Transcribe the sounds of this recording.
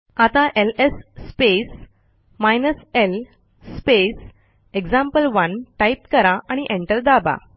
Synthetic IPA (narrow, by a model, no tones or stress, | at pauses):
at̪ãʔelesːpes | majnəsel | spes | ekd͡zãmpəlʋənʈaip̚kəɾaʔaɽ̃iʔẽɳʈəɾd̪aba̰